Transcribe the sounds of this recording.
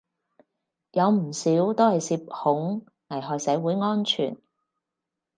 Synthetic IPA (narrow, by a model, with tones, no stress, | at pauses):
jɐ˨˧wm̩˨˩siː˨˥wt̪o˥whɐ˨jsiː˧p̚hʊ˨˥ŋ | nɐ˨˩jɦɔː˨jsɐ˨˥wuː˨˥jŋɔː˥nt͡ʃʰy̰ː˨˩n